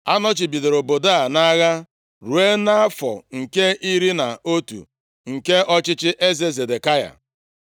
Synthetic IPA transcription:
a˦nɔ˦t͡ʃi˨bi˨de˨ɾo˨bo˨da˦a˨na˦ɣa˦ | ɾu˨e˦na˦a˦fɔ̰˨ŋ̩˨ke˦ʔi˦ɾi˦na˨o˦tṵ˨ | ŋ̩˨ke˦ɔ˦t͡ʃɪ˦t͡ʃɪ˦ʔe˦ze˨ze˨de˨ka˦ja̰˨

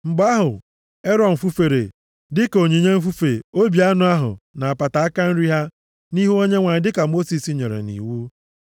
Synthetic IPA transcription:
ŋ͡m̩˨ɡ͡ba˦ɦʊ˨ | e˦ɾɔ˨m̩˨fu˦fe˨ɾḛ˨ | dɪ˦ko˨ɲe˨ɲe˦m̩˦f̬u˦fe˨o˦bi˨a˦nʊ˦a˦ɦʊ̰˨na˨a˨pa˨ta˨a˦ka˦n̩˦ɾi˦ɦa˦ | ni˦ɦu˦o˦ɲe˦ŋʷa˨ɲɪ˦dɪ˦ka˨mo˦si˨si˨ɲe˨ɾḛ˨nḭ˨wu˦

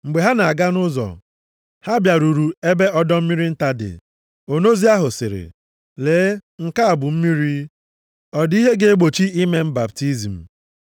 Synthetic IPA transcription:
ŋ͡m̩˨ɡ͡be˨ɦa˦na˨a˨ɡa˦nʊ˦zɔ̰˨ | ha˦bja˨ɾu˨ɾu˨e˦be˦ɔ˦dɔ˦m̩˦mi˦ɾi˦n̩˦ta˦dɪ̰˨ | o˨no˦zi˦a˦ɦʊ˨sɪ̰˨ɾɪ̰˨ | leː˨˦ŋ̩˦˨ka˦a˨bʊ˨m̩˦mi˦ɾi˦ | ɔ˨di˦ɦe˦ɡe˦e˦ɡ͡bo˨t͡ʃi˦i˦me˦m̩˦ba˨pti˦zi˨m̩˨

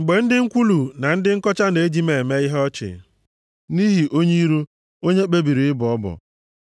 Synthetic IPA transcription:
ŋ͡m̩˨ɡ͡be˨n̩˦dɪ˦ŋ̩˦kʷu˦lu˨na˨n̩˦dɪ˦ŋ̩˦kɔ˦t͡ʃa˦ne˨e˦d͡ʒi˦me˨me˦i˦ɦɔ˦t͡ʃɪ̰˨ | ni˦ɦi˨ʔo˦ɲi˦i˦ɾu˦ | o˦ɲe˦k͡pe˦bi˨ɾi˨ɪ˦bʊ˨ɔ˦bɔ̰˨

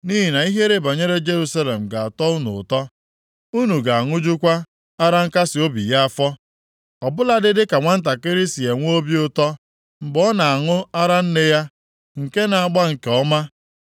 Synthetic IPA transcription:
ni˦ɦi˨na˨i˦ɦe˦ɾe˦ba˨ɲe˦ɾe˦d͡ʒe˦ɾu˦sa˦le˨m̩˨ɡa˨a˨tɔ˦u˦nʊ̰˨tɔ˦ | u˦nu˨ɡa˨a˨ŋʊ˦d͡ʒu˦kʷa˦ | a˦ɾa˦ŋ̩˦ka˦sɪ˨o˦bḭ˨ja˦a˦˨fɔ˦ | ɔ˨bʊ˦la˦dɪ˦dɪ˦ka˨ŋʷa˦n̩˦t̬a˨kɪ˦ɾɪ˦si˨e˨ŋʷ˦o˦bi˦ʊ˦tɔ˦ | m̩˨ɡ͡bɔ˦na˨a˨ŋʊ˦a˦ɾa˦n̩˦nɪ˦ja˦ | ŋ̩˨ke˦na˨a˨ɡ͡ba˦ŋ̩˨ke˨ɔ˦ma˦

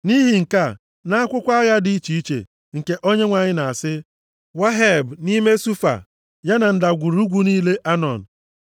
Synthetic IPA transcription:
ni˦ɦi˨ŋ̩˨ka˦˨ | na˦a˦kʷʊ˦kʷa˦a˦ɣa˦di˨i˦t͡ʃi˨i˦t͡ʃḛ˨ | ŋ̩˨ke˦ʔo˦ɲe˦ŋʷa˨ɲɪ˦na˨a˨sɪ˦ | wa˦ɦe˨bni˦me˦su˦fa̰˨ | ja˦na˨n̩˦˨da˨ɡʷu˨ɾu˦ɡʷu˦niː˦le˦ʔa˦nɔ˨n̩˨

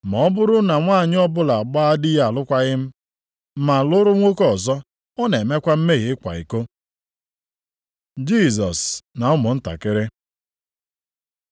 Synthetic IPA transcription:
mɔ˨ɔ˦bʊ˦ɾʊ˦na˨ŋʷa˦˨ɲɪ˦ɔ˦bʊ˦la˨ɡ͡ba˦a˦dɪ˦ja˨lʊ˦kʷa˦ɣɪ˦m̩˦ | ma˨lʊ˦ɾʊ˦ŋʷo˦kɔ˨zɔ˦ | ɔ˦ne˨me˦kʷa˦m̩˦me˦ɣɪ˨˦kʷa̰˨ḭ˨ko˦ | d͡ʒi˦˨zɔ˨sna˨ʊ˦mʊ˨n̩˦ta̰˨kɪ˦ɾɪ˦

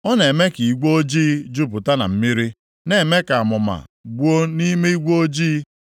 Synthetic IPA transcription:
ɔ˦ne˨me˦ki˨i˨ɡʷo˦d͡ʒiː˦d͡ʒu˦pʊ˨ta˦na̰˨m̩˦mi˦ɾi˦ | ne˨me˦ka˨a˨mʊ˨ma̰˨ɡ͡bʷo˦ni˦me˦i˦ɡʷo˦d͡ʒiː˦

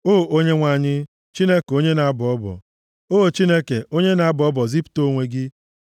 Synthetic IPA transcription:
oː˦o˦ɲe˦ŋʷa˨ɲɪ˦ | t͡ʃi˦ne˦ke˨o˦ɲe˦na˨a˦bɔ˦bɔ̰˨ | oː˦˨t͡ʃi˦ne˦ke˨o˦ɲe˦na˨a˦bɔ˦bɔ˨zi˦pto˦˨ŋʷe˨ɡɪ˦

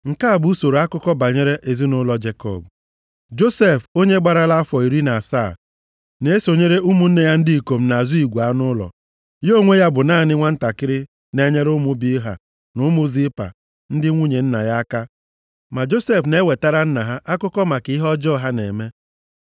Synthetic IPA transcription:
ŋ̩˨ka˦a˨bu˦so˨ɾo˨a˦kʊ˦kɔ˦ba˨ɲe˦ɾe˦ʔe˨zi˦nʊ˦lɔ˦d͡ʒe˨kɔ̰˦˨b | d͡ʒo˦se˦˨fo˦ɲe˦ɡ͡ba˨ɾa˦la˦a˦fɔ˨i˨ɾi˦na˨saː˦˨ | ne˨e˦so˨ɲe˦ɾe˦ʔu˦mu˦n̩˦ne˨ja˦n̩˦di˦i˨ko˨m̩˨na˨a˨zu˦i˨ɡʷa˦nʊ˦lɔ̰˨ | jo˦˨ŋʷe˦ja˦bʊ˨naː˦˨nɪ˦ŋʷa˦n̩˦ta˨kɪ˦ɾɪ˦ | ne˦ɲe˦ɾʊ˦mʊ˦bi˦ɦa̰˨ | nʊ˨˦mʊ˦zi˦pa̰˨ | n̩˦dɪ˦ŋʷu˦ɲe˨n̩˦na̰˨ja˦a˦ka˦ | ma˨d͡ʒo˦se˦fne˦we˨ta˦ɾa˦n̩˦na˨ɦa˦ʔa˦kʊ˦kɔ˦ma˨kɪ˦ɦɔ˦d͡ʒɔ˦˨ɦa˦nḛ˨me˦

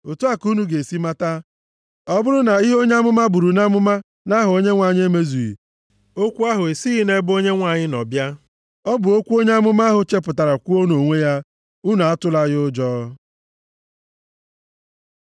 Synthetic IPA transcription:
o˨tu˦a˦ku˦nu˨ɡe˨si˦ma˦ta˦ | ɔ˦bʊ˦ɾʊ˦na˨i˦ɦo˦ɲe˦a˦mʊ˦ma˦bu˨ɾu˨na˦mʊ˦ma˦ | na˦ɦʊ˨o˦ɲe˦ŋʷa˨ɲ˦e˦me˦zu˨ḭ˨ | o˦kʷu˦a˦ɦʊ˨e˨si˦ɣi˦ne˦bo˦ɲe˦ŋʷa˨ɲɪ˦nɔ˨bja˦ | ɔ˦bʊ˨o˦kʷu˦o˦ɲe˦a˦mʊ˦ma˦ɦʊ˨t͡ʃe˦p̬ʊ˨ta˨ɾa˨kʷu˦o˦no˨ŋʷe˦ja˦ | u˦nu˨a˦tʊ˦la˦ɣʊ˦d͡ʒɔː˦

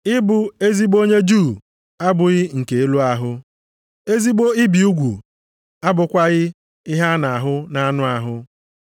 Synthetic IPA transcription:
ɪ˦bʊ˨e˦zi˦ɡ͡bo˦ɲe˦d͡ʒuː˦˨ | a˦bʊ˨ɣɪ˦ŋ̩˨ke˨e˦lu˦a˦ɦʊ˦ | e˦zi˦ɡ͡bo˦ɪ˦bi˨u˦ɡʷṵ˨ | a˦bʊ˨kʷa˦ɣɪ˦ | ɪ˦ɦa˦na˨a˨ɦʊ˦na˦a˦nʊ˦a˨ɦʊ˦

